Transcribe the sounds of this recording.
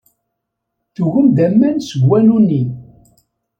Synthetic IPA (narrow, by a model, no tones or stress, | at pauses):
θuʝəmd̪æmːænsəɡwænuni